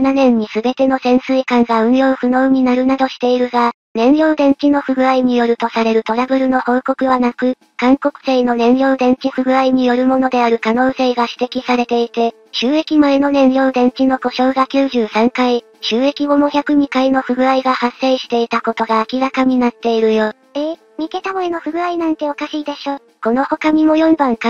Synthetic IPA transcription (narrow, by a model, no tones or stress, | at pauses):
nanẽ̞ɲ̟ːisɨbe̞t̪e̞no̞sẽ̞ɰ̃sɨikãŋɡaɯ̟̃ɰjo̞ːɸɯ̟no̞ɯɲ̟inaɾɯ̟nad̪o̞ɕi̥t̪e̞iɾɯ̟ɡa | nẽ̞ɰjo̞ːd̪ẽ̞ɲ̟t͡ɕino̞ɸɯ̟ɡɯ̟aiɲ̟ijo̞ɾɯ̟t̪o̞saɾe̞ɾɯ̟t̪o̞ɾabɯ̟ɾɯ̟no̞ho̞ːko̞kɯ̟βanakɯ̟ | kãŋko̞kɯ̟̥seino̞nẽ̞ɰjo̞ːd̪ẽ̞ɲ̟t͡ɕiɸɯ̟ɡɯ̟aiɲ̟ijo̞ɾɯ̟mo̞no̞d̪e̞aɾɯ̟kano̞ːse̞ːɡaɕi̥t̪e̞kʲisaɾe̞t̪e̞it̪e̞ | ɕɨːe̞kʲimaeno̞nẽ̞ɰjo̞ːd̪ẽ̞ɲ̟t͡ɕino̞ko̞ɕo̞ːɡakʲɨːʑɨːsãŋkai | ɕɨːe̞kʲiɡo̞moçʲakɯ̟ɲ̟ikaino̞ɸɯ̟ɡɯ̟aiɡahasːe̞ːɕi̥t̪e̞it̪ako̞t̪o̞ɡaːkʲiɾakaɲ̟inat̪ːe̞iɾɯ̟jo̞ː | eː | m̟ʲike̞t̪amoeno̞ɸɯ̟ɡɯ̟ainãnt̪e̞o̞kaɕiːd̪e̞ɕo̞ː | ko̞no̞ho̞kaɲ̟imo̞jõ̞mbãŋka